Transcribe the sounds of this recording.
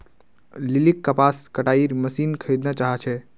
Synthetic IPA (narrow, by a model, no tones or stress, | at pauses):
lilikːəpaskəʈaiɾməsinkʰəjd̪nat͡ʃaɦɛt͡ʃʰɛ